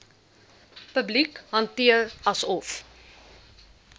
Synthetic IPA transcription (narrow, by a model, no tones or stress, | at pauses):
pəblikɦɐntiərɐsɔf